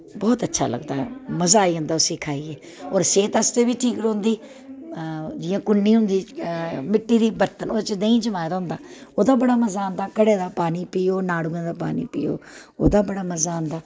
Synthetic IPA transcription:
bɔːt̪ətːʃʰa̰ːlə̰ɡd̪aːɛ̰məzaːiːɦʊ̃nd̪aːʊsĩːkʰaːiːɛː | ɔːɾseːt̪əst̪eːʋiːʈʰiːkɾõːnd̪iː | d͡ʒɪːãːkʊnːiːɦʊnd̪iːmɪʈːiːd̪iːbəɾt̪ənoːd̪t͡ʃd̪eĩːd͡ʒəmaːjd̪aɦʊ̃nd̪aːoːd̪aːbəɽaːməzaːnd̪aːkəɽeːd̪aːpaːniːpiːoːnaːɽʊːẽːd̪aːpa̰ːnḭːpḭːo̰ːo̰ːd̪aːbəɽaːməzaːɦʊnd̪aː

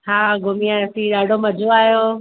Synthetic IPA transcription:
ɦaːɡʱʊmiasĩɗaːɖʱomɐd͡ʑʱoaːjoː

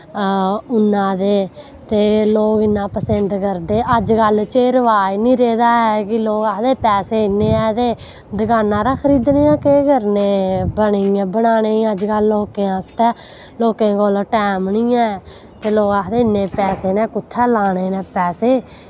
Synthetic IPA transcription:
ʊnːãːd̪eː | t̪eːloːkɪnːãːpəsənd̪kəɾd̪eːʔəd͡ʒkəlt͡ʃeːɾəʋaːiːnĩːɾeːd̪aːɛːkɪloːkaːd̪eːpɛːseːɪneːɛːt̪eː | d̪ɪɡaːnãːɾaːkʰəɾiːd̪neːãːkeːɡəɾneːbəɳeãːbənaːneːiəd͡ʒkəlːoːkẽːãːst̪ɛː | loːkẽːkolʈɛːmnĩːɛ̃ː | t̪eːloːɡaːd̪eːɪnːeːpɛːseːnɛ̃ːkʊt̪ʰːɛːlaːneːnɛ̃ːpɛːseː

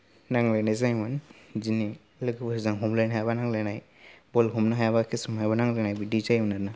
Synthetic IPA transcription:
naŋlejnajzajmɯnzini | lɯkɯbɯszaŋɦumlajnɦajabanaŋlajnaj | bɔlɦumnaɦajabakʰisɯmhajbanaŋlɯnajbidizajmnaɾna

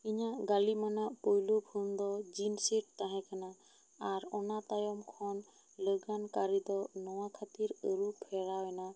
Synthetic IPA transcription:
iɲaʔɡalimanaʔpojlubʰʱund̪ɔd͡ʒinsiʈ̚t̪aɦɛ̃kana | aɾɔnat̪ajɔmkʰɔn | ləɡankaɾid̪ɔnɔwakʰat̪iɾəɾupʰɛɾawɛna

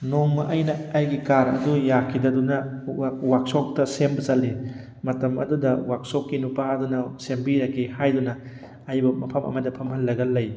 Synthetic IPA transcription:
noŋmɐʔɐjnɐːjɡikaɾɐ̰dujakʰidɐdunɐwak̚sok̚tɐsembɐzɐlːi | mɐtɐmɐ̰dudɐwak̚sokːinupaɐdunɐsembiɾɐkʰːihajdunɐː | jbɐmɐpʰɐmʔɐ̰mɐdɐpʰɐmhɐlːɐɡɐlːɐj

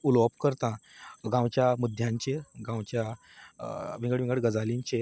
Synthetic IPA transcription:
ulopkəɾt̪ãɡãwt͡ɕjamud̪ʱjãɲt͡ɕeɡãwt͡ɕja | ʋĩŋɡəɽʋĩŋɡəɽɡəd͡zalĩɲt͡ɕe

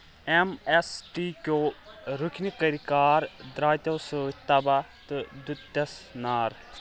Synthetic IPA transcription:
emesʈikoːɾukʰnikəɾikaːɾd̪ɾaːjt̪ɐwsoːit̪ːabat̪ɨd̪ut̪ːɐsnaːɾ

